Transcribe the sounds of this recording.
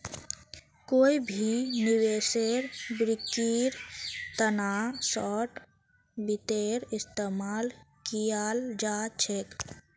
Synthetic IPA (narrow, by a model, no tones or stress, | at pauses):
koibʱiniweːseɾbɾikːiɾt̪ənasɔʈ | bit̪eɾɪst̪eːmaːlkijaːld͡ʒat͡ʃʰek